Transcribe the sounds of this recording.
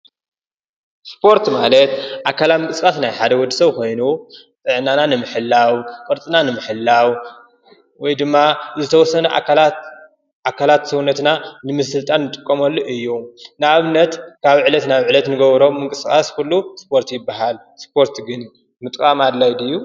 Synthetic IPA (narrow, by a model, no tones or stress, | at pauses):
spʰo̞ɾt̪malɐt̪ʔakʰːalat̪mɨŋkʼɨskʼasnajħad̪ɐwɔd̪ːɨsɐβkʰo̞jnu | t̪ʼɨʕnananɨmɨħɨlːawkʼɐɾt͡sʼɨnanɨmɨħɨlːaw | wɔjd̪ɨmːazɨt̪ʰɐwɔsːɐnɐla | ʔakʰːalat̪sɐwunːɐt̪nanɨmɨsɨlt̪ʼanːɨt̪ʼɨkʼːɐmɐlːoʔɨjːunaβɨnːɐt̪kʰaβʕɨlɐt̪naβʕɨlɐt̪nɨɡɐβɾo̞mmːɨŋkʼɨskʼaskʰulːuspʰo̞ɾt̪jɪbːaɦal | spʰo̞ɾt̪ɡɨn | mɨt̪ʼkʼamad̪lajd̪ɨjːu